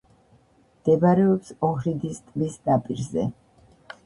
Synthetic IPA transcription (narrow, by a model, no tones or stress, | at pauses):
md̪̥ɛbaɾɛɔpsɔhɾid̪ist̪ʼbisd̪apʼiɾzɛ̰